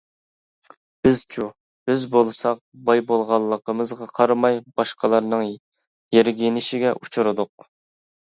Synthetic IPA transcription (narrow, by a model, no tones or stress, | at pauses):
b̥ɪz̥t͡ʃʰu | b̥ɪzbolˠsɑq̚bɑjbolˠʁɑlˠːəqəmɨzʁɑqʰɑɾmɑjb̥ɑʃqəlˠɑɾnɨŋ | jeɾɡʲenɪʃɪɡʲɛʔut͡ʃʰuɾɨd̪ʊq̚